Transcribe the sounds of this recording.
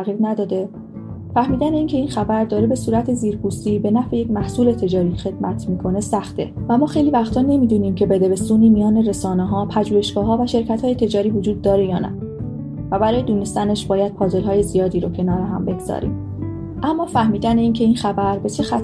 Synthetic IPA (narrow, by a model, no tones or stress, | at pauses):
æɣiɾnæd̪ɒːd̪e̞ | fæhmiːd̪æneiːncʲʰe̞inxæbæɾd̪ɒːɾebe̞suːɾæt̪ʰeziːɾpuːst̪iːbe̞næfejecmæhsuːle̞t̪ʰe̞d͡ʒɒːɾiːxe̞d̪̥̚mæt̪ʰmiːkʰo̞ne̞sæxt̪ḛvæmɒːxe̞jliːvæxt̪ʰɒːne̞miːd̪uːniːmcʰe̞bed̪e̞be̞suniːmijɒːne̞ɾe̞sɒːneɦɒːpʰæd͡ʒuːje̞ʃɡ̥ɒːɦɒːvæʃe̞ɾcʰæt̪hɒːje̞t̪ʰe̞d͡ʒɒːɾiːvod͡ʒuːd̪ːɒːɾejɒːnæ̰ | væbæɾɒːjed̪uːnest̪æneʃbɒːjæd̪̥̚pʰɒːze̞lɦɒːje̞zijɒːd̪iːɾocʰe̞nɒːɾeɦæ̰mbe̞ɡz̥ɒ̰ɾḭːm | ʔæmːɒːfæhmiːd̪æneiːncʰe̞inxæbæɾbe̞t͡ʃʰe̞xæt̪